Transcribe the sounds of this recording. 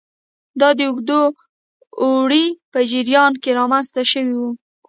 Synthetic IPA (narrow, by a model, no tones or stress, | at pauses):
d̪ɑd̪əʊɡd̪oː | ɽipəd͡ʒiɾjɑnkeɾɑmanst̪aʃəwiwu